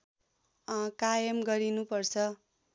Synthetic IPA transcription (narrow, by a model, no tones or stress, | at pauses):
kajʌmɡʌɾinupʌrt͡sʰʌ